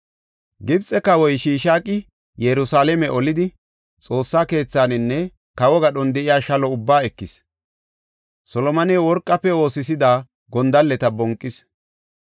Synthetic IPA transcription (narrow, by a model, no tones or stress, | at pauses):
ɡɪbt͡sʼɛkɐwɔjʃiːʃaːkʼɪ | jɛɾʊsaːlɛmɛʔɔlɪd̪ɪ | t͡sʼo̞ːsːaːke̞ːt͡sːaːnɪnːɛ | kɐwɔɡɐɗɔnd̪ɛʔɪjaːʃɐlɔʊbːaːɛkːɪs | sɔlɔmɐnɛwɔɾkʼːɐpːɛo̞ːsɪsɪd̪aː | ɡɔnd̪ɐlːɛt̪ɐbɔŋkʼːɪs